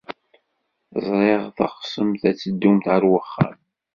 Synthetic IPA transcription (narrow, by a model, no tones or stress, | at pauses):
zˤɾˤeʁθə̰χsəmθæt͡sːəd̪ːumθʕəɾwəχːa̰m